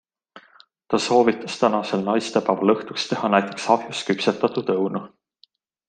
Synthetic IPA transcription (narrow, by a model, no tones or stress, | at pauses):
t̪ɑso̞ːvit̪ːˑɑ̥st̪ænɑse̞lnɑjst̪epæːvɑlɤht̪ukst̪e̞hɑnæjt̪ˑe̞ksɑfjuskypset̪ːɑt̪ˑut̪ɤwnu